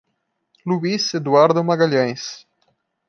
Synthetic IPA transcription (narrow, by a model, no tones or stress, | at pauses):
luised̪uaɾd̪omaɡaʎẽj̃s